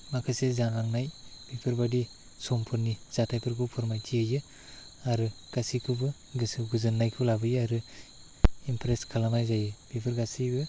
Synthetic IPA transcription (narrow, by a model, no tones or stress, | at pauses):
makʰɯsezanlaŋnajb̥ipʰɯɾbadi | sompʰɯɾniz̥atʰajpʰɯɾɡʰupʰɯɾmajtʰiɯjɯ | aɾɯɡ̥asikʰɯbɯ | ɡɯsɯɡuzɯnːajkʰɯlabɯjaɾɯ | impʰɾeskʰalamajzajɯbipʰɯɾɡasiɡɯ